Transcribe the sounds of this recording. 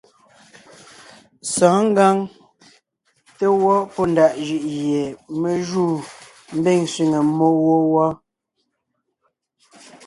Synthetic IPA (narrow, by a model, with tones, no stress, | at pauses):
sɔ̃ː˨˦ŋ̩˦ɡa˦ŋ | te˦wɔ˦pɔ˦n˨da˨ʔʒi˦ʔje˨me˨ʒuː˦˨ | m̩˦be˦˨ŋsɥi˨ŋe˨mo˦wɔ˦wɔ˦